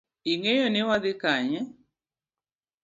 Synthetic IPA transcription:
iŋejonɪwad̪ɪkaɲɛ

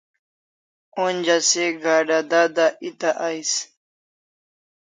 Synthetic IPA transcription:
ond͡ʑaseɡaːɖad̪ad̪aʔit̪aʔajs

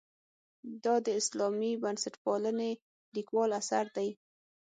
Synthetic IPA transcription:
d̪ɑd̪əɪslɑmibansaʈpɑləne | likwɑlasaɾd̪aj

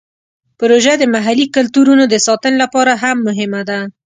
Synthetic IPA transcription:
pʊɾoʒad̪əmaɦalikʊlt̪uɾunod̪əsɑt̪ənlapɑɾaɦamːʊɦɪmad̪a

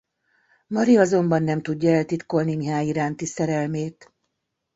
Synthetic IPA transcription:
mɒɾiɒzo̞mbɒnːɛmt̪uɟːɒɛlt̪it̪ko̞lnimiɦaːjiɾaːnt̪isɛɾɛlmeːt̪

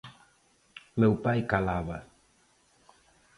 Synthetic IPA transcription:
mewpajkalaβa

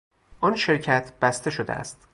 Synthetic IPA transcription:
ʔɒnʃe̞ɾcʰæt̪ʰb̥æst̪e̞ʃod̪ḛæ̰st̪

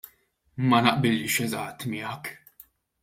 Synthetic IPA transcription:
mɐnɐʔbɪliʃɛzɐ̰t̪ːmɪɐk

